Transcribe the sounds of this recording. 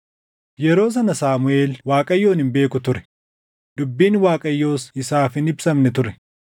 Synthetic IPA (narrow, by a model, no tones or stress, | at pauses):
jɛɾo̞ːs̬ɐnɐsaːmʊeːlwaːkʼɐjːo̞ːnɪmbe̞ːkʊt̪ʊɾɛ̥ | d̪̥ʊbːiːnwaːkʼɐjːo̞ːsɪsaːfɪnɪbsɐmnɛt̪ʊɾɛ